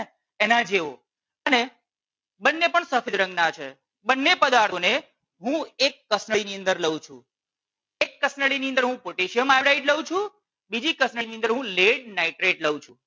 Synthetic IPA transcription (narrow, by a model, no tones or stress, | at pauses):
ɛnad͡ʒeʋo | əne | bənːepəɳsəfʰɪd̪ɾə̃ŋɡnat͡ʃʰḛ | bənːepəd̪aɾt̪ʰone | ɦũekːəsnəɭiniə̃nd̪əɾləʋũt͡ʃʰṵ̃ | ekːəsnəɭiniənd̪əɾɦũpoʈeʃiəmaɽaiʈləʋũt͡ʃʰũ | bid͡ʒikəsnəiniənd̪əɾɦũleɽnaiʈɾeʈləʋũt͡ʃʰũ